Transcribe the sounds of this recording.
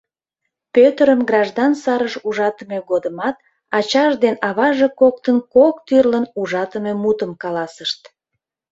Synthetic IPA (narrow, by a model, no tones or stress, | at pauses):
pøt̪əɾəmɡrɑʒd̪ɑnsɑɾəʃuʒɑt̪əmeɡod̪əmɑt̪̚ | ɑt͡ɕɑʒd̪enɑβɑʒekok̚t̪ənkokt̪yrlənuʒɑt̪əmemut̪əmkɑlɑsəʃt̪̚